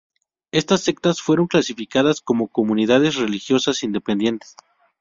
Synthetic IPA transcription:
e̞st̪asːe̞k̚t̪asfwe̞ɾo̞ŋklasifikaðasko̞mo̞ko̞mũniðaðe̞sre̞lixjo̞sasind̪e̞pe̞nd̪je̞nt̪e̥s

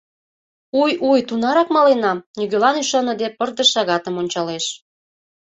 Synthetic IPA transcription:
ujujt̪unɑɾɑkmɑlenɑnyɣølɑnyʃɑnɤ̆d̪epərd̪ə̆ʃɑɣɑt̪əmonʲt͡ɕɑleʃ

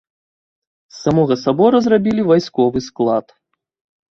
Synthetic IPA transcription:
samɔɣɐsabɔɾɐzrabʲilʲivajskɔvɨsklˠat̪

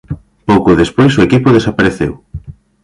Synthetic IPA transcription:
powkoðespojsoekipʊð̞esapaɾeθḛw

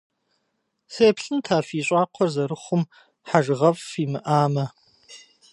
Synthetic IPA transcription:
seːpɬɨntʰaːfiːɕʼɑːqʷʰɔrzɐɾɨχʷʊm | ħaʒʁɐfiːmɨʔaːmɐ

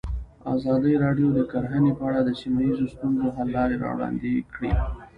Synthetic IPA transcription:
a̰zɑd̪əjɾɑɖjod̪əkaɾɦənepəaɽad̪əsimajizost̪unzoɦalːɑɾeɾɑ̰wɽɑ̰nd̪ekɽḭ

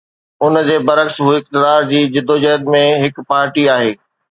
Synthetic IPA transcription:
ʊnd͡ʑeːbɐɾəksɦuːiɪk̚t̪ɪd̪aːɾd͡ʑiːd͡ʑɪd̪ʱod͡ʑɐɦd̪mẽɦɪkpaːɾʈiaːɦeː

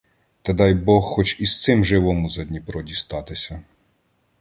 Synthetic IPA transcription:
t̪ɐd̪ɑjbɔxxɔt͡ʃist̪sɪmʒɪʋɔmʊzɐd̪ʲnʲipɾɔdʲist̪ɑt̪ɪsʲɐ

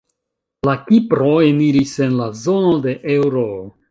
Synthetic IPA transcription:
lakipɾo̞eniɾise̞nlazo̞no̞de̞ʔe̞wɾo

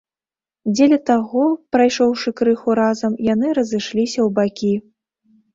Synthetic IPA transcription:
d͡zʲelʲɐt̪aɣɔpɾajʂɔwʂɨkɾɨxuɾazɐmjan̪ɨɾɐzɨʂlʲisʲɐwbakʲi

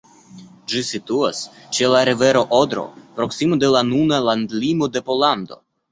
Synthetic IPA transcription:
d͡ʒisit̪uas | t͡ʃe̞laɾive̞ɾo̞ʔod̪ɾo̞̰pɾo̞ksimod̪e̞lanunaland̪limo̞d̪e̞po̞land̪o̞̰

